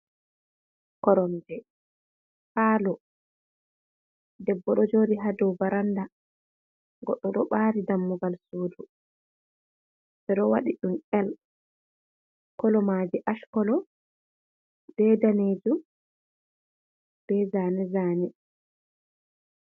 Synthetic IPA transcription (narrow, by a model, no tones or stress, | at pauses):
kɔɾɔndɛ | haːlɔ | dɛbːɔɗɔd͡ʒoːdiɦadɔwvaɾanda | ɡɔɗːɔɗɔɓaːɾidamːuɡalsuːdu | bɛɗɔwaɗiɗumɛl | kɔlɔmaːd͡ʒiʔaʃkɔlɔ | b̥ɛdaneːd͡ʒu | b̥ɛzaːnɛzaːnɛ